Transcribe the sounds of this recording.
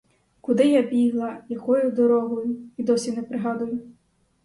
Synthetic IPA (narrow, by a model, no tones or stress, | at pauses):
kʊd̪ɪjabʲiɦlˠɐjɐkɔjʊd̪ɔɾɔɦɔjʊid̪ɔsʲinɛpɾɪɦɑd̪ʊjʊ